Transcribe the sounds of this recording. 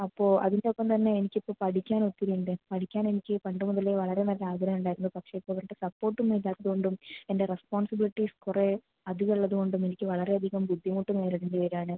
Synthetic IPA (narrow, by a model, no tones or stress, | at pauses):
ɐpːoːʔɐ̰ðindeokːɐmt̪ɐnːeːnikʲːipːoːpɐɽikʲːaːnot̪ːiɾiɳɖɨpɐɽikʲːaːnenikʲːɨpɐɳɖɨmuðɐleʋɐɭɐɾe̞nɐlɐlːaːɡɐɾɐmuɳɖaːjɾunːɐðɨpɐkʂeipːoːʋɐɾʈːɨsɐpːoːrʈːumiːlaːkːɐðɯko̞ɳɖumende̞respoːnsɐbiliʈːiskure | ɐðiɣɐɭːɐðɯkoɳɖumenikʲːɨʋɐɭɐɾe̞ɐd̪ʱiɣɐmbud̪ʱːimuːʈːumeːɾɐɽɐndiʋɐɾaːɳɨ